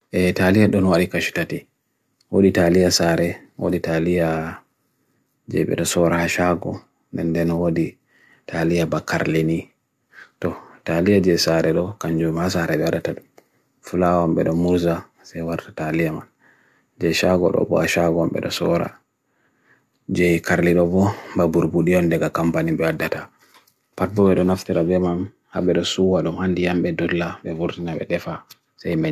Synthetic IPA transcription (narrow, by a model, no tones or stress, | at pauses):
ʔɛtalijaɗɔnwaɗikaʃi̥tati | woɗitalijasaɾɛ | wo̰ɗitalija | d͡ʒɛ̰ɓɛ̰ɗɔsɔɾahaʃaɡɔ | ndɛndɛnwodi | tʰalijabakːa̰ɾleni | tɔtalijad͡ʒɛsaɾɛɗɔkaɲd͡ʒɔmhasaɾɛɓɛaɗataɗum | fulawamɓɛɗɔmuɾza | sajwaɾtḁtalijama̰n | d͡ʒɛʃaɡɔ̰ɗɔ̰bɔ̰aʃaɡɔamɓɛ̰ɗɔ̰sɔɾa̰ | d͡ʒɛkaɾliɗɔbɔmbabuɾbuɗiɔndɛɡakampaniɓɛadːata | pabɔɓɛɗɔnaftiɾabɛman | ha̰ɓɛɗɔsuwaɗumhandijamɓɛdɔlːaɓɛvuɾtinaɓɛ̰ɗɛfa | sajma